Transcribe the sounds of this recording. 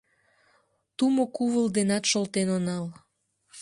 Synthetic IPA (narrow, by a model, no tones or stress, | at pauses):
t̪umokuβəld̪enɑt̪ʃolt̪enonɑl